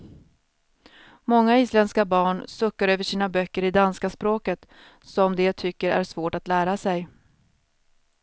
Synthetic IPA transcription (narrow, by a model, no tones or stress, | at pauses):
mɔŋːaiːslɛnskabɑːɳsɵkːaɾøːvəʂiːnabœkːəɾɪd̪anskaspɾoːkət̪ | sɔmd̪ɛat̪ʰʏkːəɾæ̰ʂvoːʈat̪læːɾasɛj